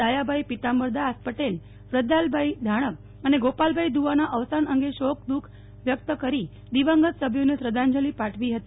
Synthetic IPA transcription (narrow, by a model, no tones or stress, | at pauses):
ajabʱajpit̪ambəɾd̪ʱaːspəʈel | ʋɾəd̪albʱaid̪ʱaɽ̃ək̚ | əneɡopalbʱaid̪uʋanaʔəʋsanəŋɡeɕok̚d̪ukʰ | ʋjək̚t̪əkəɾiː | d̪iʋə̃ŋɡət̪səbʱjonesɾəd̪ʱãɲd͡ʑəliːpaʈʰʋiːɦət̪i